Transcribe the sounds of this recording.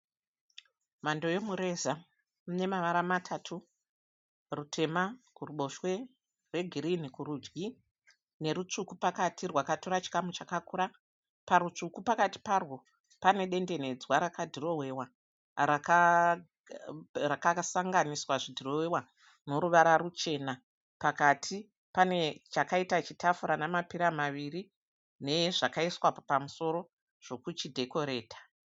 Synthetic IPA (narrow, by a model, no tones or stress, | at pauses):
mando̞jomuɾe̞za | mune̞maʋaɾamatʰatʰu | rutʰe̞makuruɓo̞ʃwe̞ | rwe̞ɡʱiɾinikuɾud͡ʒɡi | ne̞ɾut͡ʂukupakatʰirwakatoɾat͡ʃi̥kamut͡ʃakakuːɾa | paɾut͡ʂukupakati̥parwo̞ | pane̞ɗe̞nde̞ne̞d͡zwaɾakadʱiro̞ɦwe̞wa | raka | rakasaŋɡaniswaʐidʱiro̞wewa | no̞ɾuʋaɾaɾut͡ʃe̞na | pakatʰi | pane̞t͡ʃakaitat͡ʃitafuɾanamapiɾamaʋiri | ne̞ʐakaiswapamuso̞ɾo̞ | ʐ̥o̞kut͡ʃidʱe̞ko̞ɾe̞ːtḁ